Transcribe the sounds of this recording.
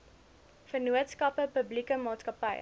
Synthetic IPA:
fərnuətskɐpəpəblikəmɑːtskɐpɐj

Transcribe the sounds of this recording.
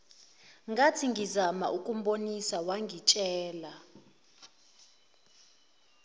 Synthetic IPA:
ŋɡʱatʰiŋɡʱizama̰ʔukʼum̩ɓonisawaŋɡʱit͡ʃʼɛːla

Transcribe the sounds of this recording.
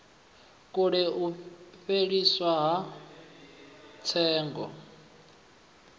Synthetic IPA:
kʼuɺɛuɸeɺiswaɦa | t͡sʰɛːŋɡɔ̰

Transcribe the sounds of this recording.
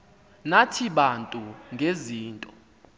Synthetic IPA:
natʰiɓantʼuŋɡʱeziːntʼɔ

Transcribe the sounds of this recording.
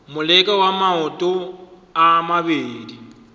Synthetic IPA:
mʊlɛkʼawamaɔtʼo | amaβeːdi

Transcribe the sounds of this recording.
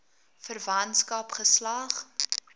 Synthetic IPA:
fərvɐntskɐpχəslɐχ

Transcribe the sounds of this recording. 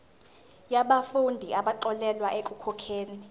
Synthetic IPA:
jaɓafundʱiʔaɓaǃɔlɛlwaʔekʼukʰɔkʰeːni

